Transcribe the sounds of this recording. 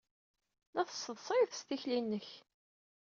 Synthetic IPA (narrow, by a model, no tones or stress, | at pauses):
næθə̥səðˤsˤiθst̪içlinːəç